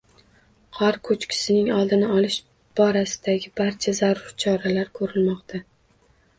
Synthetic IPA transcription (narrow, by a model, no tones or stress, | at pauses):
qʰɒɾkʰɵt͡ʃkʲʰɪ̥sɪnɪŋɒlˠd̪ɪnɪɒlɪʃ | b̥ɒɾasɪ̥d̪̥aɡʲɪbaɾt͡ʃʰazaɾʊɾt͡ʃʰɒɾalaɾkʰɵɾɪlmɒqt̪ʰa